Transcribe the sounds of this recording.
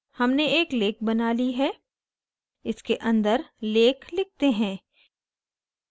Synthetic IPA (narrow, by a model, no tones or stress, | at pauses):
hɐmneeːkleːk̚bɐnaːliɦɛː | ɪskeʔɐ̃nd̪əɾleːkʰlɪk̚t̪eɦɛ̃ː